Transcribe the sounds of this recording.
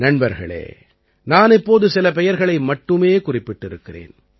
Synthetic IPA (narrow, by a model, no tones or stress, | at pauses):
nɐɳbɐɾɣɐ̰ɭḛː | naːnɪpːoːðɯsɪlɐpɛjɐɾɣɐɭɐɪmɐʈːɯmeːkʊrɪpːɪʈːɪɾɯkːɪrḛːn